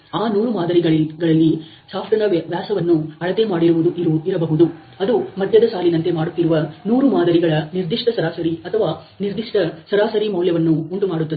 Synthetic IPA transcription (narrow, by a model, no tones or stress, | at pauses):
aːnuːɾumaːd̪ɐɾiɡɐɭɡɐɭɐlːi | saːpʰʈɐnɐʋjaːsɐʋɐnːuɐɭɐd̪e̞maːɽiɾuʋud̪uʔiɾuiɾɐbɐɦud̪u | ɐd̪umɐd̪ʱjɐd̪ɐsaːlinɐnt̪e̞maːɽut̪ːiɾuʋɐnuːɾumaːd̪ɐɾiɡɐɭɐniɾd̪iʂʈɐsɐɾaːsɐɾiɐt̪ʰɐʋaː | niɾd̪iʂʈɐsɐɾaːsɐɾimɐwljɐʋɐnːuːɳʈumaːɽut̪ːɐd̪e